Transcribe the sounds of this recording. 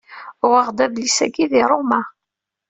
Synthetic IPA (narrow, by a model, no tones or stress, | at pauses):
ʊʁəʁd̪æðlisæɡiðiɾˤomæ